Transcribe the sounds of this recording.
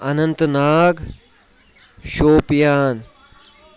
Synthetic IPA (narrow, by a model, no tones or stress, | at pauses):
ɐnɐnt̪naːɡ | ɕoːpjaːn